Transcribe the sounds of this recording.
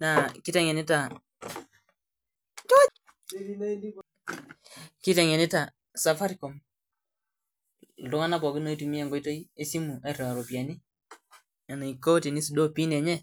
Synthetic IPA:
na˨ki˦tɛ˨ŋe˨ni˦ta˨ | to˦ | ki˦tɛ˨ŋe˨ni˦ta˨ | sa˨fa˦ɾi˦kɔ˨m˨ | du˦ŋa˦na˦pɔ˨ɡi˦no˦i˦tu˨mi˦ɛ˦˨ŋɡo˦i˦to˦i˦e˦si˦mu˨a˨ɾe˨a˨ɾo˨pi˨a˨ni˦ | a˨na˨i˨ko˦ti˨ni˦si˨do˦pi˦nɛ˨ɲɛ˦

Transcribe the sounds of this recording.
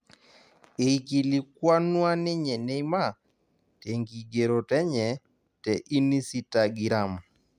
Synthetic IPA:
e˨i˨ki˨li˨kwa˦nwa˦nɪ˦ɲɛ˨ne˦jma˦˨ | te˨ŋɡi˨ɡe˨ɾɔ˨tɛ˦ɲɛ˨ | tɛ˨ʔi˦ni˦si˦ta˨ɡi˨ɾa˨m

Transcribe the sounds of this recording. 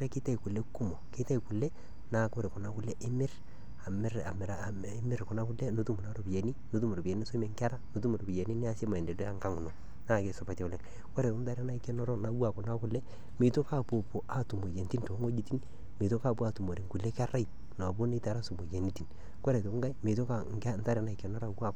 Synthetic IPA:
ɾe˦kɪ˦ta˦i˨kʊ˨le˦kʊ˦mo˨keɪ˦ta˦i˨ku˨lːe˦ | na˨ko˦ɾe˨kʊ˨na˦kʊ˦lːɛ˦ʔɪ˦mɪ˦r | a˨m˦ɾa˨mː˨˦ | mɪ˦ɾkʊ˨na˦kʊ˦le˦no˨˦tu˦mu˨na˦ɾo˨pi˨je˨ni˦no˨˦t̬u˦mo˨ɾo˨pe˨ni˦so˦me˨˦ŋka˦ɾa˦no˨tu˦mu˨ɾo˨bi˨je˨ni˦ni˦a˦se˦ma˨ɛ˨nde˨da˦ŋka˦ŋu˨no˨ | na˦˨ke˨sɔ˨pa˨tɛ˨ʊ˦lɛ˨k | ko˦ɾe˨o˦nta˦ɾa˦na˦i˦kɛ˦nɔ˦ɾɔ˦na˨˦wa˨kɔ˨na˦kʊ˦lɛ˦ | mi˨to˦ka˦˨po˨po˨ʔa˨tu˨mo˨je˨nti˦nto˨˦ŋo˦d͡ʒi˦ti˦ni˦ | mi˨to˦ka˦˨pu˦a˨tu˨mo˨ɾi˨ŋku˨le˦ka˦ra˦i˨ | n˨b̬o˦ni˦ta˨ɾa˦su˨mo˨je˨ni˦ti˨n | ko˦ɾe˨to˨kŋɡa˦i˦mi˨to˦ka˨ŋa˦n˦ta˦ɾɛ˨˦na˨i˨kɛ˨nɔ˦ɾa˨wwa˨k

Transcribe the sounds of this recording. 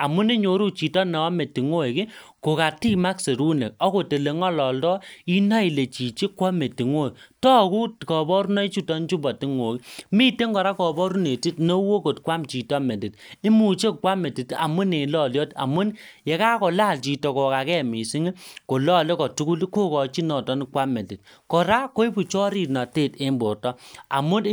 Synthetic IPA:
a˨mu˦ne˦ɲo˨ɾu˦t͡ʃi˨tɔ˦nɛ˨ɔ˦me˨ti˨ŋo˦˨ki˦ | ko˨ka˨ti˦ma˦kse˨ɾu˦nḛ˨k̚ɔ˦ko˨te˨le˨ŋɔ˦lɔ˨ldɔ˦i˦na˦i˨le˨t͡ʃi˨t͡ʃe˦kwɔ˦me˨ti˨ŋo˦˨tɔ˦ku˦tkɔ˨bɔ˦ɾu˦nɔ˦i˦t͡ʃu˦tɔ˦n˦t͡ʃu˦bɔ˨ti˦ŋo˨ki˦mi˦te˦ŋɡɔ˨ɾa˦kɔ˨bɔ˦ɾu˦ne˨ti˦tno˦wo˦ko˨tkwa˦mt͡ʃi˨tɔ˦me˨ti˨ti˦mu˨t͡ʃe˦kwa˦me˨ti˨ta̰˨mu˦ne˨lɔ˦˨ljɔ˦ta̰˨mu˦nje˨ka˦kɔ˨la˦˨lt͡ʃi˨tɔ˨kɔ˨ka˨kɛ˦˨mi˨si˦ŋ˦ko˨lɔ˦˨le˦kɔ˨tu˦ku˦li˦ko˦kɔ˨t͡ʃi˦nɔ˨tɔ˦ni˦kwa˦me˨ndi˨t̚ | kɔ˨ɾa˦ko˦i˦bu˨t͡ʃɔ˦ɾi˦˨na˨te˦˨te˦mbo˨rtɔ˦a˨mu˦

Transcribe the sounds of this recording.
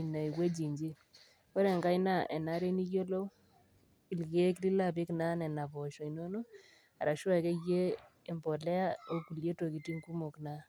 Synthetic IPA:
i˨na˨i˨ɣwe˦d͡ʒi˨ɲd͡ʒi˦ | kɔ˦ɾɛ˨ŋɡa˦jna˦ʔɛ˨na˦ɾe˦ni˦kjo˦lo˦ | i˨lɣe˦kɾi˦la˦˨pi˦kna˦nɛ˨na˨bɔ˨ʃɔ˨i˨no˦no˦ | a̰˨ɾa˨ʃwa˦˨kɛ˦jeː˦˨ | mbɔ˨lɛ˦a˦o˦ku˨lje˦to˨ki˨ti˦ŋku˦mo˨kna˦

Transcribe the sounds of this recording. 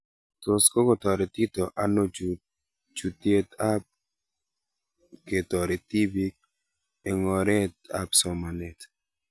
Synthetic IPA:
t̪o˨sko˦kɔ˨t̪ɔ˨ɾe˨t̪i˦t̪o˨ʔa˨no˦ | d͡ʒu˨t̪e˦t̪a˦p̚ | ke˨t̪ɔ˨ɾe˨t̪i˦bi˦k̚ | e˨ŋɔ˨ɾe˦t̪a̰˦psɔ˨ma˨ne˨t

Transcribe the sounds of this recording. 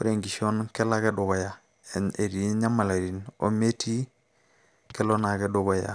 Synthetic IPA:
fu˦ɾe˨ŋɡi˨ʃo˦nke˦la˦ke˦du˨ɡo˨ja˨ | e˨ɾi˨˦ɲa˦ma˨la˨ɾi˨no̰˦me˦tʰi˦ | ke˦lo˦na˨ke˦du˨ɡo˦ja̰˨

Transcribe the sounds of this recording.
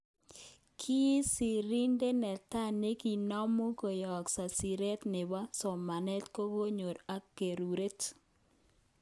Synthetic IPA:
kʰi˦sɪ˨ɾi˦nde˦nɛ˨ta˦˨ne˦ki˨nɔ˦mo˦ko˨jɔ˨ksa˨si˨ɾe˦t̪nɪ˨ba˦sɔ˨ma˨nɛ˦tko˦ko˦ɲo˨ɾa˦kːe˨ɾu˨ɾe˦t

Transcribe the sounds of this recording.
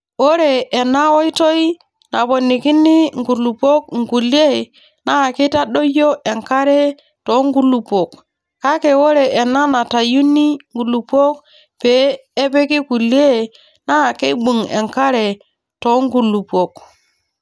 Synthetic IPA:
wo˦ɾeː˨na˦wo˦i˦to˦i˦ | na˨bo˨nːi˨ki˦nːi˦ŋɡu˨lu˨po˦k̚ŋɡu˨le˦˨ | na˦˨ki˦ta˦ɗo˦jo˦ʔe˨ŋka˦ɾe˦ | to˨˦ŋɡu˦lu˨po˨k | ka˦ke˨wo˦ɾe˨e˨nːa˦na˨ta˨ju˦nːi˦ŋɡu˨lu˨po˦k̚ | peː˨˦pe˦ki˦ku˨li˦e˦ | na˦˨ke˦ɓu˨ŋḛ˨ŋka˦ɾe˨ | to˨˦ŋɡu˨lu˨po˨k

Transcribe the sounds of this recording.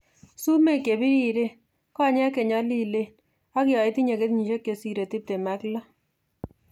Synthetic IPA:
su˦me˦˨ke˨bi˦ɾi˦˨ɾe˦ | kɔ˦˨ɲɛ˦ke˨ɲɔ˦li˦˨le˦ | a˦kjɔ˨i˦ti˦ɲe˨ke˦tɲi˨ʃe˦kːe˨si˨ɾe˨ti˦p̚te˨ma˦klɔ˦

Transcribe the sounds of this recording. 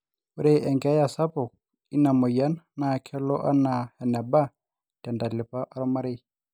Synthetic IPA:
ʊ˦ɾɛ˦ʔɛ˨ŋɡɛ˦a˦ja˨sa˦pɔ˨ | i˦na˨mɔ˨ja˦nanaː˨kʰɛ˦lɔ˦ʔa˦na˨hɛ˨nɛ˨ba˦ | tɛ˨nda˨lɪ˨pa˦ʔa˦ɾɔ˦ma˦ɾe˦

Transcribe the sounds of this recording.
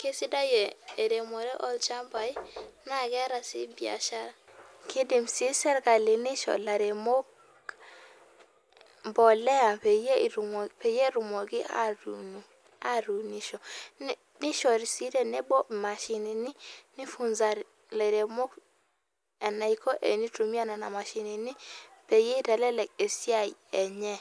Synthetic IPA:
ke˦si˦da˦je˨e˨ɾe˨mo˨ɾe˦ʔɔ˦lt͡ʃa˦mba˨i˦na˦ɡe˦ɾa˨sḭ˦bi˦˨a̰˨ʃa˦ɾa˨ | ki˦di˨msi˦sɛ˦ɾɡa˨li˨ni˦ʃɔ̰˨la˨ɾe˨mo˦k | mbɔ˨le˦a˨pe˨je˦˨ɾu˨m˨pe˨je˦ɾu˨mo˨ɡi˦a̰˦ɾu˨nu˨ | a˦ɾu˨ni˦ʃɔ˨n˦ | nɪ˦ʃɔ˨ɾi˨si˦ɾe˦˨nɛ˦bɔ˦ma˨ʃɪ˨ni˨ni˦ni˦fu˨nza˨ɾ | la˨ɾe˨mo˦k | ɛ˨na˨i˨kʰɔ˦ʔe˨ni˦tu˨mi˦a˦na˨na˨ma˨ʃɪ˨ni˨ni˦pe˨je˦i˦tɛ˨lɛ˦lɛ˨k̚e˨si˦a˦˨jɛ˨ɲɛ˦

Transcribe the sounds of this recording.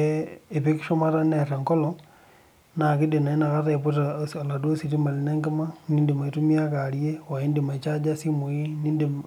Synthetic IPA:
ee˨pi˦ki̥ʃo˦ma˦ɾa˦ne˨reŋko˦lo | na˨ki˦de˨na˨i˦na˨ka˦re˨po˦tasa˨la˨do˦siti˦ma˨li˦neː˦ŋɡe˦ma˦niː˦ndi˨ma˨i˨tumia˦kalje˦wa˨i˦ndi˨ma˨t͡ʃa˦d͡ʒa˦si˦moi˦niː˦ndi˨

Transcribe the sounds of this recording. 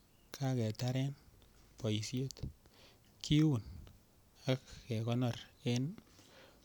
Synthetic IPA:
kʰa˦kɛ˨ta˦ɾɛ˦npɔ˨ji˨sje˦t | kʰi˦wu˨n | a˦kkɛ˨kɔ˦nɔ˨re˦n

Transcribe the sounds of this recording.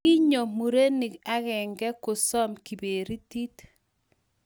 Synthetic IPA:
i˦ɲo˨mu˨ɾe˦ni˨ka˦ɣɛ˨ŋɡɛ˦ko˨sɔ˦mki˨be˨ɾi˦ti˦t

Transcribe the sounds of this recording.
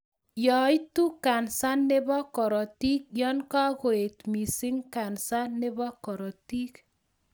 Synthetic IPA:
jɔ˨jt̪u˦ka˨nsa˦nːe˦bɔ˦kɔ˨ɾɔ˨t̪i˦k̚jɔ˦nka˦ko˨e˨t̪mi˨si˦ŋka˨nsa˦nːe˦bɔ˦kɔ˨ɾɔ˨t̪i˦k

